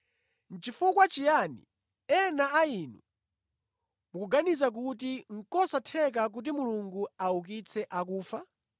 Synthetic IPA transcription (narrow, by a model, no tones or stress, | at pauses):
n̩t͡ʃifukwat͡ʃijanḭ | ɛnaaiːnṵ | mukuɡanizak̬ut̬iŋ̩kɔsatʰɛk̬ak̬ut̬imuluŋɡuauk̬it͡sʰɛʔakuːfa